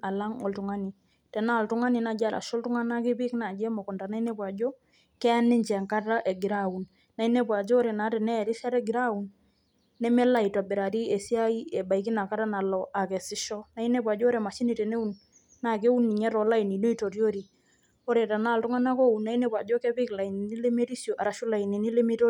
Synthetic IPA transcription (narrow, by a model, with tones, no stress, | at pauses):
a˨la˦ŋɔ̰˨ltʊ˨ŋa˦ni˨ | tɛ˨na˦˨ltʊ˦ŋa˦ni˨na˨d͡ʒa˦ɾa̰˨ʃo˦ltʊ˦ŋa˦na˦kɪ˦pɪ˦kna˨d͡ʒɛ˦mɔ˨kɔ˨nda˨na˦i˦ne˦pa˨d͡ʒo˦ | kɛ˦a˦nɪ˦ɲt͡ʃɛ˨ŋka˦ta˦ʔe˨ɡɪ˨ɾau˨n | na˦i˦ne˦p̬wa˨d͡ʒoː˦ɾe˨na˨˦tɛ˨nɛ˦˨ɾɪ˦ʃa˦ɾɛ˦ɡɪ˨ɾa˦˨u˨nː | ɛ˦mɛ˦la˦i˨twa˨bɪ˨ɾa˨ɾi˦e˨si˦a˦i˦ɛ˨ba˨i˨kɪ˦na˨ka˦ta˦na˨lɔ˨ʔa˨kɛ˨sɪ˦ʃɔ˦na˦i˦ne˦pwa˨d͡ʒɔː˦ɾe˨ma˨ʃɪ˦ni˨te˨ne˦u˦˨n | na˨ke˦u˦ni˨ɲɛ˦ɾɔ˨la˦i˨ni˨no˦i˦to˨ɾjo˦ɾi˨ | o˦ɾe˨ta˨na˦˨ltʊ˦ŋa˦na˦ko˦u˨nːa˦i˦ne˦pwa˨d͡ʒo˦kɛ˦pɪ˦kla˨i˨ni˨ni˦le˦me˦ɾi˦sjo˨ʔa˨ɾa˨ʃʊ˦la˨i˨ni˨ni˦le˦mi˦to˦